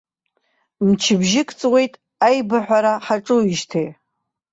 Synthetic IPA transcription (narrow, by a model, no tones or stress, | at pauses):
mt͡ʃʰɪbʒɪkʼt͡sʼwe̞jtʼ | ajbaħʷᶣaɾaħaʈ͡ʂʼɨiʒtʰej